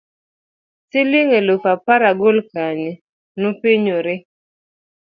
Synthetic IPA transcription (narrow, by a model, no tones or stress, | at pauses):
sɪlɪŋelopapaɾaɡolkani | nʊpiɲoɾɪ